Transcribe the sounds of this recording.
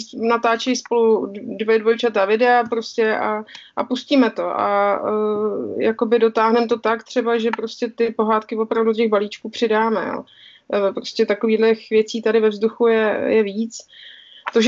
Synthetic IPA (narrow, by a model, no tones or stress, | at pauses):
nat̪aːt͡ʃɛjspo̞ludvojdvo̞jt͡ʃadavɪdɛapɾo̞scɛʔaʔapusciːmɛt̪o̞ʔa̰ | jako̞bɪdo̞t̪aːɦnɛmt̪o̞t̪akt̪r̝̥ɛbaʒɛpɾo̞scɛt̪ɪpo̞ɦaːt̪kɪvopɾavduocɛɣbaliːt͡ʃkuːpr̝̥ɪdaːmɛ̰jo̰ | pɾo̞scɛt̪ako̞viːdlɛxvjɛt͡siːt̪adɪvɛvzduxujɛjɛviːt͡s | t̪oʒ